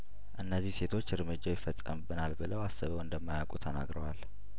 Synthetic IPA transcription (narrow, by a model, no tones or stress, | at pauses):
ʔɨnːəzːihse̞t̪ʰo̞t͡ʃːɾɨmɨd͡ʒːawjɪfəsʼːə̰mbɨnalbɨləwasəβəwɨnd̪əmːajakʼut̪ʰəna̰ɡɾəwal